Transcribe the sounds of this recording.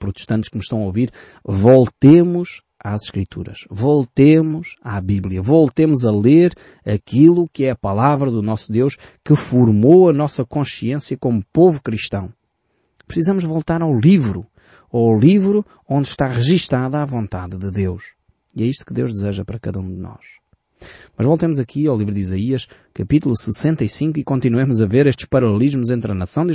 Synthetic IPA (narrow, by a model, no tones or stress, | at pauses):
pɾut̪ɨ̥ʃt̪ɐ̃nt̪ʃkɨmɨʃt̪ɐ̃w̃ɐoviɾ | volˠt̪emuʃ | azʃkɾit̪ʰṵɾɐ̰ʃvolˠt̪emuʃaβiβlˠjɐvolˠt̪emuzɐlˠeɾ | ɐkilˠukɨɛɐpɐlˠavɾɐðunɔsuðewʃ | kɨfuɾmoɐnɔsɐkõsiẽsjɐkomupovukɾiʃt̪ɐ̃w̃ | pɾsizɐmuʒvolˠt̪aɾawlˠivɾu | olˠivɾu | õnd̪ʃt̪aʁɨʒiʃt̪aðɐavõnt̪aððɨðewʃ | iɛiʃt̪u̥kɨðewʒd̪ɨzeʒɐpɐɾɐkɐðɐũd̪ɨnɔ̰ʃ | mɐʒvolˠt̪emuzɐkʰiawlˠivɾuðizɐiɐʃ | kɐpit̪ulˠusɨsẽnt̪ɐisĩŋkuikõnt̪inuwemuzɐveɾeʃt̪ʃpɐɾɐlˠlˠiʒmuzẽnt̪ɾɐnɐsɐ̃w̃d̪i